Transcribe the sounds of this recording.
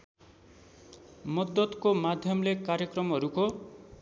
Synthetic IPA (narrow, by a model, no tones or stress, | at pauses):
mʌd̪ːʌt̪komad̪ʱjʌmlekaɾjʌkrʌmɦʌɾuko